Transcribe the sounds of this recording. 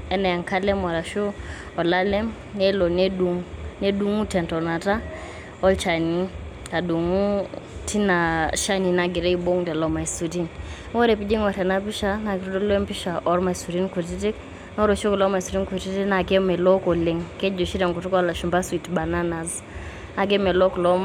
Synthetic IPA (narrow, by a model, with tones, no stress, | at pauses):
ɛ˦nɛ˨a˨ŋka˦lɛ˦mɔ˨ɾa˨ʃu˦ | ɔ˨la˦lɛ˦m | jɛ˦lɔ˨ne˦du˨ŋne˦du˦ŋu˦tɛ˨ntɔ˨na˨ta˦ | ɔ˦lt͡ʃa˨ni˦ | ka˨du˨ŋu˦ti˦na˨ʃa˦ni˨na˨ɡɪ˨ɾɛ˦i˨bo˦ŋdɛ˨lɔ˨ma˨i˨su˨ti˦n˦ | wɔ˦ɾɛ˨pi˦d͡ʒi˦ŋɔ˨ɾɛ˨na˦pi˦ʃa˦na˨ɡɪ˨ɾo˦do˦lɔ˦ɛ˦mpi˦ʃa˨ʔɔ˦ɾma˨su˨ɾi˦nku˨t̬i˦ti˦k | nɔ˦ɾo˨t͡ʃo˦klɔ˦ma˨su˨ɾi˦nku˨ti˦ti˦na˨ɡe˦mɛ˨lɔ˦kɔ˨le˨ŋkɛ˦d͡ʒo˨ʃi˦ɾɛ˨ŋɡu˨tu˦kɔ˦la˨ʃu˨mba˦swi˨tba˨na˦na˨z | a˨ɡe˦mɛ˨lɔ˦klɔ˦m